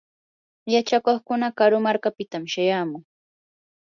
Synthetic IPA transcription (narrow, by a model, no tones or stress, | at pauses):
jat͡ʃakoχkʊnakaɾʊmaɾkapɪt̪amʃajaːmʊŋ